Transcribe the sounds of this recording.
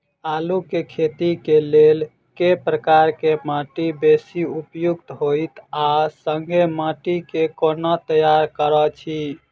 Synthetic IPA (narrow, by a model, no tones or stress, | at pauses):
alukekʰet̪ikelel | kepɾəkaɾkemãʈibesiupjuɡt̪ɦoɪt̪asəŋɡʱemãʈikekonət̪əjaɾkəɾət͡ʃʰi